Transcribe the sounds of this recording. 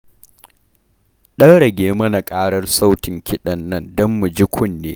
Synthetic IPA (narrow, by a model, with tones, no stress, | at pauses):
ɗɐ˦ŋɽɐ˨ɡʲeː˦mɐ˦na˨kʼaː˦ɽɐ˦rsa˦wtɪ˨ŋkʲʰɪ˦ɗɐ˨nːɐ˦ndɔ˦mːu˨d͡ʒi˦kʷʰʊ˦nːḛː˦